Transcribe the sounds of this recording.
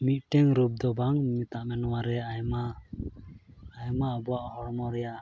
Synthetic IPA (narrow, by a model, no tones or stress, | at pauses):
mit̪̚ʈɛŋɾub̚d̪ɔbaŋmit̪aʔmɛnɔwaɾɛajma | jmaʔbɔwaʔhɔɽmɔɾɛja